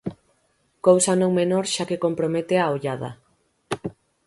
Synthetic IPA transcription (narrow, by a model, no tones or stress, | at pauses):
kowsɐnõŋmenoɾʃakekompɾomet̪eaoʎað̞ɐ̰